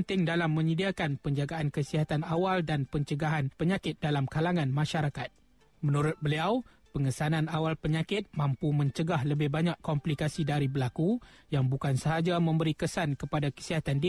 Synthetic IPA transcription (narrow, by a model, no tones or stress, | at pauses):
nt̪ɪŋdalamːə̃ɲədiakanpəɲd͡ʒaɡaʔankəsiɦat̪anawaldanpəɲt͡ʃəɡaɦanpəɲãkɪt̪̚dalamkalaŋãnmãʃaɾakat̪̚ | mənuɾʊt̪̚bəliaw | pəŋəsanãnawalpəɲakɪt̪̚mãmpumə̃ɲt͡ʃəɡaɦləbɪhbaɲaʔkɔmplikasidaɾibəlakujaŋbukansəɦad͡ʒamə̃mbəɾikəsankəpadakə̥siɦat̪andi